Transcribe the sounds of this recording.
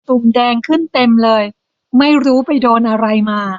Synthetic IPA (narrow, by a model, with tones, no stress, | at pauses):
t̪u˨˩mdɛː˧ŋkʰɯ˥˩nt̪e˧mlɤː˧j | ma˥˩jɾuː˦˥pa˧jdoː˧nʔa˧ɾa˧jmaː˧